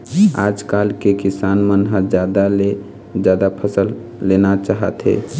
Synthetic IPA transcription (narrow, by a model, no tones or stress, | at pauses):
aːd͡ʒkaːlkekɪsaːnmənɦəd͡ʒjaːd̪ale | d͡ʒjaːd̪apʰəsəlː | eːnat͡ʃaːɦə̰t̪ɦḛː